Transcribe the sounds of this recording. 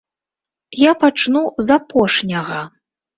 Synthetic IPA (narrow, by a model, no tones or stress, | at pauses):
japat͡ʂnuzapɔʂnʲɐɣɐ